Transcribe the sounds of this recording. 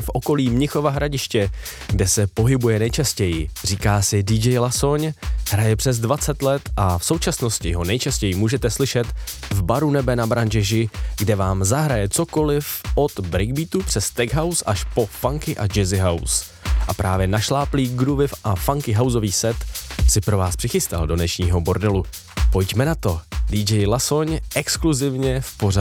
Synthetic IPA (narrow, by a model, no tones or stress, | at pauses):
fʔo̞ko̞liːmɲɪxo̞vaɦɾaɟɪʃcɛ | ɡdɛsɛpo̞ɦɪbujɛnɛjt͡ʃascɛjɪr̝iːkaːsɪdid͡ʒɛjlaso̞ɲɦɾajɛpr̝̥ɛzdvat͡sɛt̪lɛt̪ʔafso̞wt͡ʃasno̞scɪɦo̞nɛjt͡ʃascɛjɪmuːʒɛt̪ɛslɪʃɛt̪vbaɾunɛbɛnabɾand͡ʒɛʒɪɡdɛvaːmzaɦɾajɛt͡soko̞lɪfʔo̞t̪bɾɪɡ̚biːt̪upr̝̥ɛst̪ɛɡɦawsʔaʃpo̞faŋkɪʔad͡ʒɛzɪɦaws | ʔapɾaːvjɛnaʃlaːpliːɡɾuvɪfʔafaŋkɪɦawzo̞viːsɛt̪sɪpɾo̞vaːspr̥ɪxɪst̪a̰ldo̞dnɛʃɲiːɦo̞bo̞ɾdɛlu | po̞jcmɛnat̪o̞diːd͡ʒɛjlaso̞ɲʔɛkskluzɪvɲɛfpo̞ra